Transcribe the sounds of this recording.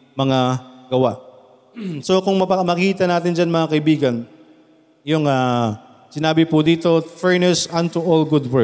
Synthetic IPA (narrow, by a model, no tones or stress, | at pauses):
mɐŋaɡɐwaʔ | sokʊŋmɐpɐmɐkkiːt̪ɐnaːt̪ɪnd͡ʒanmɐŋakɐʔɪbiːɡɐn | jʊŋaː | sɪnaːbɪpʊd̪iːt̪o̞fɛɹnɛsʔant̪uʔolɡʊd̪wɛ